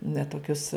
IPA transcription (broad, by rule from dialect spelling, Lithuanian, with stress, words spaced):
nʲɛ toːˈkʲʊs